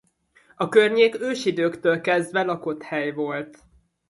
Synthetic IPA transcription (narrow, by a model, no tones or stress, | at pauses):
ɒkørɲeːkøːʃid̪øːkt̪øːlkɛzd̪ʋɛlɒko̞t̪hɛjvo̞lt̪